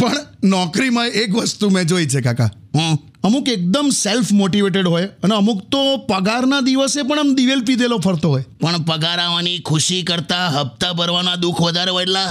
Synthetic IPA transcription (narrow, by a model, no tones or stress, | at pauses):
pəɳnɔkɾimãekʋəst̪umɛ̃d͡ʒojt͡ʃʰekaka̰ | ɦɔ̃ | əmũkek̚d̪əmselfʰmoʈiʋeʈ̬eɖɦojəneəmũkt̪opəɡaɾnad̪iʋəsepəɳ̃əmd̪iʋelpid̪elopʰəɾt̪oɦojpəɳpəɡaɾaʋanikʰuʃikəɾt̪aɦəp̚t̪abəɾʋanad̪ukʰʋəd̪ʱaɾʋaɽla